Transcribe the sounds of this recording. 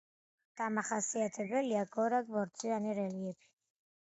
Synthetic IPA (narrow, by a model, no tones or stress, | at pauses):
d̪̥amaχasiat̪ʰɛbɛliaɡɔɾaɡvɔɾt̪sʼianiɾɛliɛpʰi̥